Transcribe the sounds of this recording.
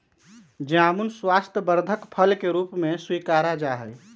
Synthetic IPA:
d͡ʒeamunswast̪ʰəbəɾd̪ʱəkpʰəlkeɾupmeswikaɾad͡ʒaɦəj

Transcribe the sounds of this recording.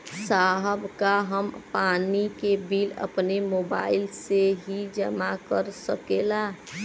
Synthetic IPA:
saːɦəbʱkaɦəmpaːnikebiːlə̰pnemoːba̰ːɪlseɦid͡ʒəmakəɾsəkela

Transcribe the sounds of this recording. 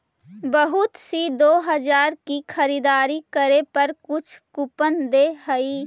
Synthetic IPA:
bəɦʊt̪sid̪oːɦəd͡ʒaːɾkikʰəɾid̪aːɾikəɾepəɾkʊt͡ʃʰkupənd̪eɦəi

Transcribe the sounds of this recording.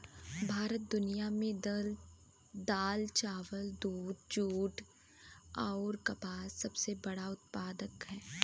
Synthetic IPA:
bʱaːɾət̪̚d̪ʊnijamẽdl | d̪aːlt͡ʃaːʋəld̪uːd̪d͡ʒuːʈ | ɔːɾkɐpaːsɐbsebɐɽaʊt̪̚paːd̪əkɦɛː

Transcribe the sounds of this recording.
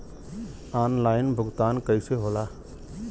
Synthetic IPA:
aːnlaːɪnbʱʊɡt̪aːnkəɪseɦola

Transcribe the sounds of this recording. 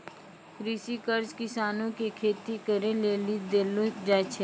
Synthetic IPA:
kɾisikəɾd͡ʒkɪsaːnõkekʰeːt̪ikəɾeleːlid̪eːlod͡ʒaːt͡ʃʰe

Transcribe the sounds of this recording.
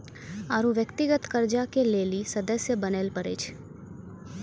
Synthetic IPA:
aːɾũʋjəkt̪ɪɡət̪kəɾd͡ʒakeleːlisɐd̪əsjəbəneːlpəɾḛːt͡ʃ

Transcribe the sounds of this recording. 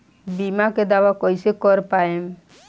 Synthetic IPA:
bimaked̪awakɔjsekɔɾpaem

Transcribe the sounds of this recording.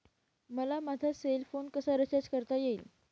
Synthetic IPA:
məlamat̪ʰaselfonkəsaɾət͡ɕad͡ʑkəɾt̪ajeil

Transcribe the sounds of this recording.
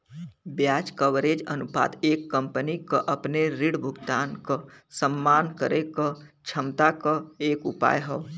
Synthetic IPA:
bjaːd͡ʒkəʋɾeːd͡ʒənupa̰ːd̪eːkːə̃mpənikəʔəpneɾiɽbʱʊɡt̪aːnkəsəmːaːnkəɾekət͡ʃʰəmt̪akəeːkʊpa̰ːjɦəː

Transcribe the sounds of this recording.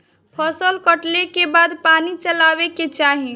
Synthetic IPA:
pʰəsəlkəʈlekebad̪panit͡ʃəlabeket͡ʃaɦi

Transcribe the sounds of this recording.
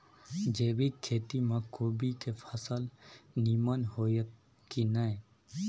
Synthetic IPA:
d͡ʒeʋikʰːeːt̪imãkobikepʰəsəlnimənɦojə | kinae

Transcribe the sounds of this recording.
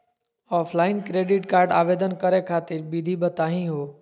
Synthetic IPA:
ɔːpʰlaːɪnkɾeːɖɪʈkaːɾɖa̰ːʋeːd̪ənkəɾekʰaːt̪ɪɾbid̪ʱibət̪aːɦĩɦoː

